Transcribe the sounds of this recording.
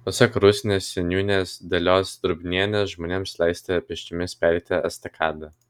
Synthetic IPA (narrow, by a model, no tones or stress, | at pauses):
pɐsɐkɾʊsʲɪnʲeːsːʲɛnʲjuːnʲeːsd̪ʲɐlʲoːsd̪ɾʊbʲnʲiɛnʲesʒmoːnʲeːmslʲˠɑɪsʲt̪ʲepʲɪʃʲt͡ʃʲɪmʲɪspʲæɾʲt̪ʲɛɐst̪ɐkʰɑːd̪ɐ